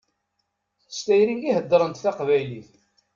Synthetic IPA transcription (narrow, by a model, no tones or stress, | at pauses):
θə̥st̪æjɾiɡiɦəd̪ːɾˤənt̪θɑqvæjliθ